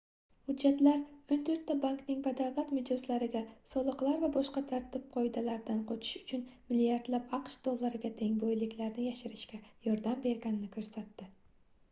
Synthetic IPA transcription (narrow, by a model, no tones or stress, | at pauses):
hʊd͡ʒːat̪laɾʊnt̪ʰɵɾt̪ːabaŋknɪŋvad̪awlˠat̪mɪd͡ʒlɪslaɾɪɡʲasɒlˠɨqlˠaɾvabɒʃqɑt̪ʰaɾt̪ʰɪp̚qʰɒjd̪alaɾd̪anqʰɒt͡ʃʰɪ̥ʃʊ̥t͡ʃʰʊnmɪlijaɾd̪lapɑqʃd̪̥olˠːaɾɪɡʲat̪ʰe̞ŋbojlɪkʲlaɾnɪjaʃɪɾɪʃkʲajɒɾd̪ambe̞ɾɡʲanɪnɪkʰɵɾsat̪ːɪ